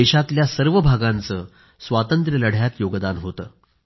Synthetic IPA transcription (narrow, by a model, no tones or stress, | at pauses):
eɕat̪ljasəɾʋəbʱaɡãnt͡səː | sʋat̪ənt̪ɾələɽ̤jat̪joɡd̪anɦot̪əː